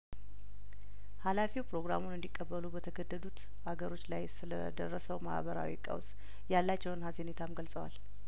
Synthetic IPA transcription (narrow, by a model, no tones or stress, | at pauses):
halafiwpɾo̞ɡɾamunɨnd̪ikʼːəbːəlubət̪ʰəɡəd̪ːəd̪ut̪ | aɡəɾo̞t͡ʃːlajsɨlə̰d̪ə̰rːəsəwma̰hbəɾa̰wḭkʼə̰ws | jalːat͡ʃːɛwnhazenet̪ʰamɡəlsʼəwa̰l